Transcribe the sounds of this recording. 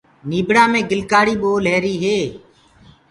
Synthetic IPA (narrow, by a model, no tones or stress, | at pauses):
niːbɽaːmẽːɡɪlkaːɽiːɓoːleːɾiːɦeː